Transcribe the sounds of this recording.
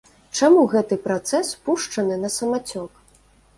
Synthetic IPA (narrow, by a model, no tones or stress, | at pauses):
t͡ʂamuɣɛt̪ɨpɾat̪sɛspuʂt͡ʂɐnɨnɐsɐmat͡sʲɔk